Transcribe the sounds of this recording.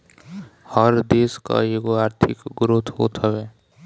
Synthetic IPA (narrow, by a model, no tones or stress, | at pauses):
həɾd̪eːska̰eɡoaːɾt̪ʰɪkɡʊɾʊt̪ʰɦo̰t̪ʰəʋeː